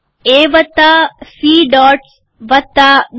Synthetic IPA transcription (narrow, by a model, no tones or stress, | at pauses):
eːʋɐt̪ːasiːɖɔːʈ | ʋɐt̪ːaɗ